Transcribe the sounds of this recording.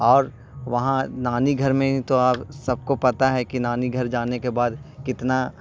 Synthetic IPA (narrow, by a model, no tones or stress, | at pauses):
ɔːɾ | ʋɐɦãnaːniɡʱɐɾmẽit̪oaːpsɐb̚kopɐt̪aɦɛkinaːniɡʱɐɾd͡ʒaːnekebaːd̪kɪt̪na